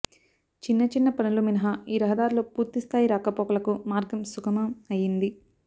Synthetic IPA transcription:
t͡ʃinːɐt͡ʃinːɐpɐnuluminɐɦaiːɾɐɦɐd̪aːɾlo̞ːpuːɾt̪ist̪ʰaːjiɾaːkɐpɔːkɐlɐkumaːɾɡɐmsukʰɐmɐmɐjind̪i

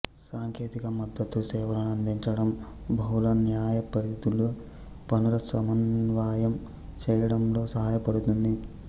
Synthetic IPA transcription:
saːŋkʰeːt̪ikɐmɐd̪ːɐt̪ːusɛːʋɐlɐnɐnd̪ʱiɲt͡ʃɐɽɐmbʱɐwlɐnjaːjɐpɐɾɐd̪ulu | pɐnulɐsɐmɐnʋaːjɐm | t͡ʃɛːjɐɽɐmlo̞ːsɐɦaːjɐpɐɽut̪und̪i

